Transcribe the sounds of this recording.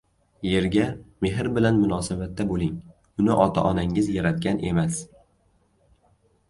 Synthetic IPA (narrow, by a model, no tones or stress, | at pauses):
je̞ɾɡʲame̞ɦɾbɪlanmʊnɒːsabat̪ːabolˠɪŋ | ʊnɪʔɒt̪ʰa̰ʔɒnaŋɪzjaɾat̪̚kʲanʔe̞mas